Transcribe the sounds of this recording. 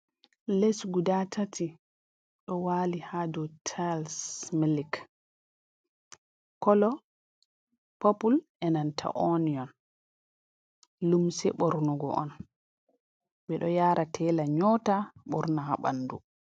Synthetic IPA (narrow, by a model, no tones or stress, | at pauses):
lesɡudatʰati | ɗɔwaːlihadɔtʰalsmilik | kɔlɔ | pɔpulʔɛnantʰa̰ʔoniɔn | lumsɛɓɔɾnɔɡɔ̰ʔɔ̰n | ɓɛɗɔjaːɾʔatʰɛlaɲɔːtaɓɔ̰ɾnahaɓa̰nːdu